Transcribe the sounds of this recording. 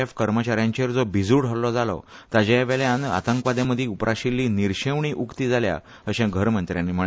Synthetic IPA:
efkəɾmət͡ɕaɾjãɲt͡ɕeɾd͡zɔbʱid͡zuɽəlɔd͡zalɔ̰t̪ad͡ʑeʋeljãna̰t̪əŋkʋad̪jãməd̪ʱːiupɾʔaɕilːiːniɾɕeʋɳiːʔukt̪iːd͡zʱalja̰ | əɕɛ̃ɡʱəɾmənt̪ɾjanːim̤ə

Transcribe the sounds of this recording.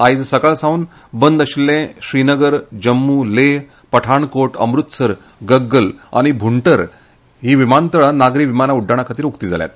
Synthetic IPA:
ajd͡zsəɡaɭsãun | bənd̪əɕlːẽɕɾinəɡəɾd͡ʑəmːuleɦ | pəʈʰaɳkoʈə̰mɾut̪səɾ | ɡəɡːəla̰ɽ̃ibʱuɳʈəɾ | ɦiːʋimant̪əɭanaɡɾiːʋimanauɖʱːaɽ̃akʰat̪iːɾukt̪iːd͡zʱa̰lja̰t̪

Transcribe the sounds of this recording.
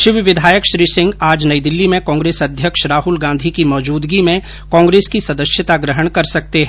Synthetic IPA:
ʃɪʋʋɪd̪ʱaːjəkʃɾiːsɪ̃ŋɡaːd͡ʒnɐid̪ɪlːimẽkɔ̃ːŋɡɾeːsɐd̪ʱjəkʃɾaːɦʊlɡãːnd̪ʱikimɔːd͡ʒuːd̪ɡimẽ | kɔ̃ːŋɡɾeːskisɐd̪əʃjɪt̪aɡɾəɦəɽ̃kɐɾsɐk̚t̪eɦɛ̃

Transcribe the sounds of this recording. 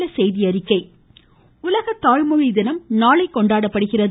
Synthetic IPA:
ɐsɛjðɪjɐɾɪkːɐɪ | ʊlɐɣɐt̪ːaːɻmɯɻɪd̪ɪnɐmnaːɭɐɪkːɔɳɖaːɽɐpːɐɽɯɣɪrɐð

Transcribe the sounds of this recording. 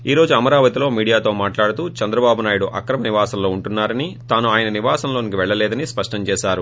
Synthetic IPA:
iːɾoːd͡ʒuɐmɐɾaːʋɐt̪iloːmiːɽijaːt̪o̞ːmaːʈlaːɽut̪uːt͡ʃɐnd̪ɾɐbaːbunaːjuɽuʔɐkɾɐmɐniʋaːsɐmlo̞ːuɳʈunːaːɾɐnit̪aːnuaːjɐnɐniʋaːsɐnlo̞ːnikiʋɛɭːɐlɛːd̪ɐnispɐʂʈɐɲt͡ʃɛːʃaːɾu

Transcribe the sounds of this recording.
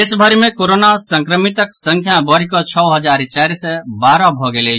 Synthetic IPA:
ɪsbʱəɾmẽkoːɾonasə̃ŋkɾəmɪt̪əksə̃ŋkʰjabəɾikot͡ʃʰɔɦəd͡ʒaːɾt͡ʃaːɾisebaːɾãbʱɔɡele

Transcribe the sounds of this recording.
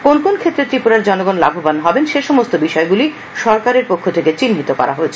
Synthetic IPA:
konkonkʰet̪ːɾet̪ɾipuɾaɾd͡ʑɔnoɡonla̰bʱobanɦɔbenʃeʃɔmost̪obiʃɔeɡuli | ʃɔɾkaɾeɾpokʰːot̪ʰeket͡ɕinɦit̪okɔ̰ɾʔa̰ɦoet͡ɕʰe

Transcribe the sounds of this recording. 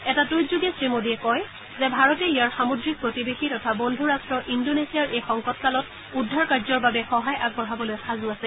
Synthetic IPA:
ɛtatujzuɡɛsɹimodiɛkɔj | zɛbʱaɹɔtɛijaɹxamodɹik̚pɹotibexitɔtʰabondʱuɹastɹɔʔindonesiaɹʔejxɔŋkɔt̚kalɔt̚ | udʱːaɹkaɹzɔɹbabɛxɔɦajʔaɡ̚bɔɹabɔlojxazʊasɛ

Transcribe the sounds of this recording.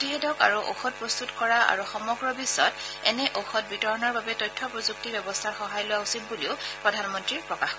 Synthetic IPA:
tiɦɛtɔka̰ɹuʔo̰xɔt̚pɹɔst̪utkɔɹaʔa̰ɹuxɔmɔɡɹɔbisɔtɛ̰nɛʔoxɔt̚bitɔɹɔnɔɹbabɛtɔjtʰːɔpɹɔzuk̚tibɛbɔstʰaɹxɔɦajlʊwaʊsimbuliʊpɹɔdʱanmɔntɹipɹɔkax

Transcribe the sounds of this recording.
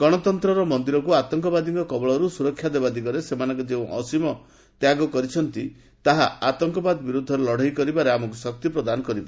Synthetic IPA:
ɡ̥ɔɽ̃ɔt̪ɔnt̪ɾɔɾɔmɔnd̪iɾɔkuat̪ɔŋkɔbad̪iŋkɔkɔbɔɭɔɾusuɾɔkʰːjad̪ebad̪iɡɔɾesemanɔŋkɔd͡ʒeũʔɔ̰simɔ | t̪jaɡɔkɔɾit͡ʃʰɔnt̪i | t̪aɦaat̪ɔŋkɔbad̪ɔbiɾud̪ʱːɔɾelɔɽ̤ajkɔɾibaɾeamɔkusɔk̚t̪jipɾɔd̪anɔkɔɾiba

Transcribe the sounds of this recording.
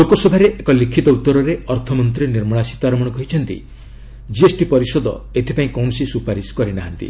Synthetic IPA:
lokɔsɔbʱaɾeʔekɔlikʰit̪ɔut̪ːɔɾɔɾeɔɾt̪ʰɔmɔnt̪ɾiniɾmɔɭasi̥t̪aɾɔmɔɽ̃ɔkɔɦit͡ʃʰɔnt̪ḭ | d͡ʒiesʈipɔɾisɔd̪ɔ̰et̪ʰipaĩkɔwnɔsisupaɾiskɔɾinaɦant̪ḭ

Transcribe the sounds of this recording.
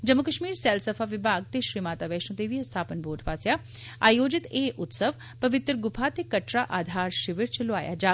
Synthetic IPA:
d͡ʒəmːʊkəʃmiːɾsɛːlsəpʰaːʋɪbʱaːɡ̚t̪eːʃɾiːmaːt̪aːʋɛːʃõːt̪eːʋiːst̪ʰaːpənboːɾɖʰpaːsjaː | aːjoːd͡ʒɪt̪eːʔʊt̪səʋ | pəʋɪt̪ɾəɡʊpʰaːt̪eːkəʈɾaːʔaːd̪ʱaːɾʃɪʋɪɾt͡ʃəlʊa̰ːja̰ːd͡ʒaː

